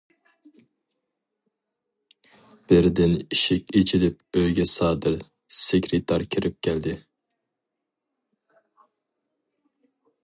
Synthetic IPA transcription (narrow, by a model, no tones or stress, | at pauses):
b̥ɪɾd̪ɪniʃɪkʲet͡ʃʰilɪp̚øjɡʲɛsɑːd̪ɪɾ | sekʲʰɾet̪ʰɑɾkʲʰɪɾɪp̚kʲʰɛld̪ɪ